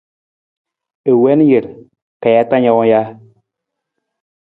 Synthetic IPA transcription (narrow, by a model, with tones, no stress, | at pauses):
e˨wɛ˦n˦je˨ɾ | ka˨ja˦ta˦ɲa˦wɔ˦ja˦